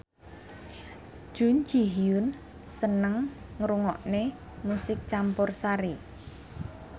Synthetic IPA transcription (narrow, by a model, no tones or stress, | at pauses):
ʒ̥ṳnd͡ʒi̤ɦiʊn | sənəŋŋɾuŋɔʔne | musɪk̚t͡ʃampʊrsaɾi